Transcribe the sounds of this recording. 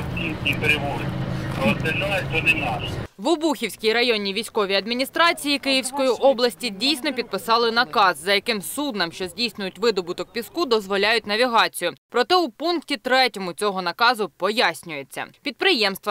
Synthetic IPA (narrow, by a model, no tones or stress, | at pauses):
tʲinʲkʲipeɾʲɪʋɔpɾɔsd̪enajt̪ɔnɪnɑʃʋʊbuxʲiwsʲkʲijɾɐjɔnʲiʋʲijsʲkɔʋʲiɐd̪mʲinʲist̪ɾɑt͡sʲijikɪjiwsʲkɔjiʔɔblˠɐsʲtʲidʲijsʲnɔpʲid̪̚pɪsɑlˠɪnɐkɑzːɐjɐkɪmsud̪nɐmʃt͡ʃɔzʲdʲijsʲnʲʊjʊtʲʋɪd̪ɔbʊt̪ɔk̚pʲiskud̪ɔzʋɔlʲajʊtʲnɐʋʲiɦɑt͡sʲijʊpɾɔt̪ɛʊpunktʲit̪ɾɛtʲɔmʊt͡sʲɔɦɔnɐkɑzʊpɔjasʲnʲʊje̞t͡sʲːɐ̰pʲid̪̚pɾɪjɛmst̪ʋɐ